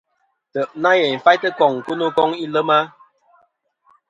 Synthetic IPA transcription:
tə˨ʔna˦jɛ˨m̩˨fa˦jtə˦kɔ˦˨ŋ˨kə˦nə˦kɔ˦ŋi˦lə˦ma˦

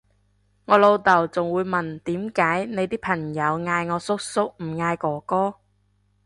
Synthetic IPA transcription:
ŋɔː˨˧lo˧wt̪ɐ˨˩wt͡sʊ˨ŋwuː˨˧jmɐ˨˩nt̪iː˨˥mkaː˨˥jne˨˧jt̪iː˥pʰɐ˨˩ŋjɐ˨˧wŋaː˧jŋɔː˨˧sʊ˥k̚sʊ˥k̚m̩˨˩ŋaː˧jkɔː˨˩kɔː˥

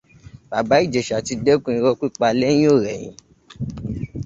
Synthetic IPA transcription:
ba˨ba˨˦i˦˨d͡ʒe˨ʃa˨ti˧de˦kũ˦˧ĩ˧ɾɔ˦˧˦ki˦˨k͡pa˧le˦j̃ĩ˦o˦˨ɾɛ̰˨j̃ḭ̃˨˦

